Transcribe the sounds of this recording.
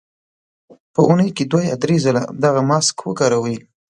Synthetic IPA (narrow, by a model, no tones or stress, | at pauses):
pəʔunəjked̪wajɑd̪ɾezəla̰d̪aɣamɑskwəɡɑɾawi